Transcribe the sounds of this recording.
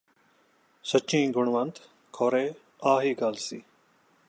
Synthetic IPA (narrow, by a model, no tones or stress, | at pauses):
sət͡ʃʰĩːɡʊɳʋənt̪ | kʰoːɾeː | aːɦiːɡaːlsiː